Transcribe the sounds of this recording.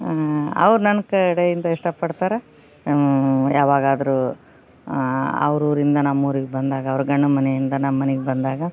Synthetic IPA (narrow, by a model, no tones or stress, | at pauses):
ɐ̰ʋɾunɐnɐkɐɐɽeind̪ɐiʂʈɐpɐɽt̪aːɾe | jaːʋaːɡaːd̪ɐɾu | ɐ̰ʋɾuːɾind̪ɐnɐmːuːɾiɡebɐnd̪aːɡɐːʋɐɾuɡɐɳːɐmɐnejind̪ɐnɐmːɐneɡebɐnd̪aːɡɐ